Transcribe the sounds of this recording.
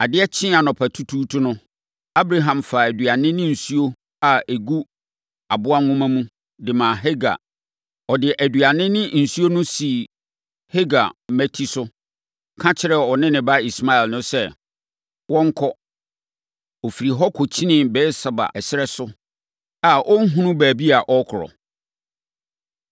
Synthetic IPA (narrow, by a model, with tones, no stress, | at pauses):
a˨dɪ˦ɛ˦t͡ɕʰɪ̃˦a˨nɔ̃˨pʰa˨tʰu˦tʰuː˦tʰʊ˦nʊ̃˦ | a˦bɾa˦ɦã˨mfa˨æ˨dɥa˨nɪ̃˦nɪ̃˦n̩˨su˦o˦ | a˨e˨ɡu˦ | a˨bʊ˦a˦ŋʊ̃˦mã˦mũ˦ | dɪ˨mã˨ɦɛ˦ɡa̰˨ | ɔ˨dɪ˨ʔæ˨dɥa˨nɪ̃˦nɪ̃˦n̩˨su˦o˦nʊ̃˦si˨ | he˦ɡa̰˨m̩˨mæ˦tʰi˦sʊ˦ | kʰã˦t͡ɕʰɪ˦ɾɛ˨ɔ˨nɪ̃˦nɪ̃˨ba˦i˨sma˦ɛ˨lnʊ̃˦sɛ˦ | wɔ̃˦ŋ˦kʰɔ˦ | ɔ˨fi˨ɾi˨ɦɔ˦kʰo˨t͡ɕʰi˦nɪ̃˦˨bɛ˦sa˨ba̰˨ɛ˨sɪ˦ɾɛ˦sʊ˦ | a˨ʔɔ˦ŋ̩˦ɦũ˦nʊ̃˦bæː˨bi˦a˨ʔɔ˦kʰʊ˨ɾɔ̰˨